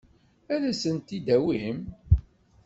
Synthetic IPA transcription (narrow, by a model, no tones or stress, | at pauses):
æðæsənt̪id̪æwim